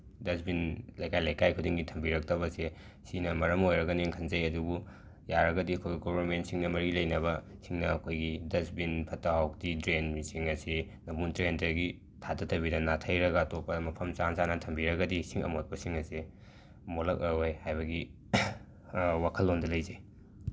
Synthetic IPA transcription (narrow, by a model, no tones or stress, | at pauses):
dɐsbinlɐjkajlɐjkajkʰudiŋɡitʰɐmbiɾɐk̚tɐβɐse | sinɐmɐɾɐmojɾɐɡɐniŋkʰɐnzɐjɐdubu | jaɾɐɡɐdiɐkʰojɡiɡobʱɐɾmentsiŋnɐmɐɾilɐjnɐβɐsiŋnɐːkʰojɡidɐsbinpʰɐtaɦawk̚titɾenisiŋɐse | nɐbuntɾentɐɡi | tʰatɐtʰɐβidɐnatʰɐjɾɐɡɐtopːɐmɐpʰɐmt͡ʃansanɐtʰɐmbiɾɐɡɐdisiŋɐ̰mot̚pɐsiŋɐse | molɐk̚ɐojhajbɐɡi | wakʰɐlːondɐlɐjzej